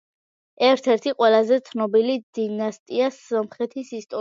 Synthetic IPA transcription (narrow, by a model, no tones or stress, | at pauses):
ɛɾt̪ʰɛɾt̪ʰiqʼwɛlazɛt̪sʰnɔbilid̪̥inast̪ʼiasɔmχɛt̪ʰisist̪ʼɔ